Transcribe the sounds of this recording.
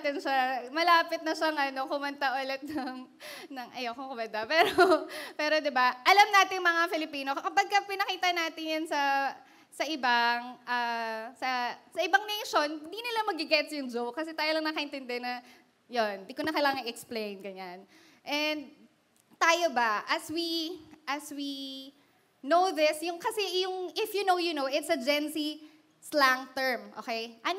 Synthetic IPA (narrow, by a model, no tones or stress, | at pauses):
t̪ɪnʃamɐlaːpɪt̪̚nɐʃaŋʔɐno̞kʊmɐnt̪aʔʊlɛt̪̚nɐŋ | nɐŋʔɐjokʊŋkʊmɐnt̪apɛːɾopɛːɾo̞d̪ɪbaʔɐlamnaːt̪ɪŋmɐŋafɪlɪpiːno̞kɐpɐɡ̚kɐpɪnɐkiːt̪ɐnaːt̪ɪɲjansɐ | sɐʔɪbaŋʔaːsɐsɐʔɪbɐŋnɛjʃo̞nɪnd̪inɪlamɐɡɪɡɛt̪sjʊŋd͡ʒowkɐsɛt̪aːjolɐŋnɐkɐʔɪnt̪ɛnd̪ɛnɐ | jond̪ikonɐkɐlaːŋɐŋɪɛksplẽjnɡɐɲan | ʔɛnd̪̚ | t̪aːjobɐʔɐswiʔɐswi | nowðɪsjʊŋkɐsɛjʊŋɪfjunowjʊnowɪt̪sɐd͡ʒɛnsi | slaŋt̪ɛɹmʔoːkejʔɐn